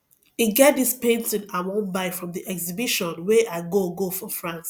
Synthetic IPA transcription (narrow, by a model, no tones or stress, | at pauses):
iɡɛt̚dispẽntĩnawõnbaɪfɹɔ̃mðiʔɛkzibiʃɔ̃nwɛʔaɪɡoɡofɹɔ̃fɹãns